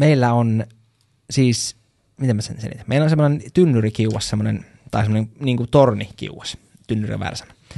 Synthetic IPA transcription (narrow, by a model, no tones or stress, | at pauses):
meilːæon | siːs | mit̪emːæsḛnsḛnḭt̪æ̥mḛilːæonsemːonent̪ynːyrikiuwɑssemːonḛn | t̪ɑ̰ˑisemːoneŋniːŋkut̪ornikḭuʋɑs | t̪ynːyrḭʋæ̰ːrsɑ̥nɑ̥